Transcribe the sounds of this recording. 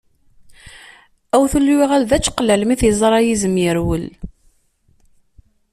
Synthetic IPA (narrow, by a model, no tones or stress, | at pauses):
æwθulːwiʁælðæt͡ʃːqlælmiθjəzˤɾˤɑjizəmjəɾwəl